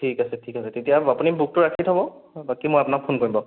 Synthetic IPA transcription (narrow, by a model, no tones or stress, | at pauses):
tʰikasɛtʰikasɛtetijaapunibuk̚tʊɹakʰitɦɔbɔbakimojapunak̚pʰonkoɹĩmbɔ